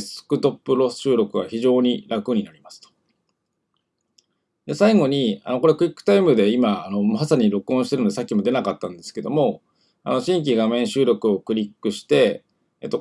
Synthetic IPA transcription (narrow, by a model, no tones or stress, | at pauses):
sɨ̥kɯ̟t̪o̞pːɯ̟ɾo̞sɕɨːɾʲo̞kɯ̟ɡa̰çiʑo̞ːɲ̟iɾakɯɲ̟inaɾʲimasɨ̥t̪o̥ | d̪e̞saiɡo̞ɲ̟ia̰no̞ko̞ɾe̞kɯ̟ɾʲikːɯ̥t̪aimɯ̟d̪e̞imaːno̞asaɲ̟iɾo̞kɯõɕit̪eɾɯnoesakʲːimo̞d̪e̞nakat̪ːãnd̪e̞sɨ̥ke̞d̪o̞̰mo̞ | a̰no̞ɕĩŋk̬ʲiɡamẽ̞ɰ̃ɕɨːɾo̞kɯ̟o̞kɯ̟ɾʲikːɯ̟ɕi̥t̪e̞ | et̪ːo̞